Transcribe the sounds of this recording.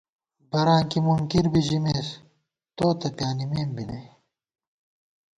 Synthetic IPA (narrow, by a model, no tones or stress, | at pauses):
bɐɾãːkimuŋkiɾbiʑimeːs | t̪oːt̪ɐt̪jaːnimeːmbine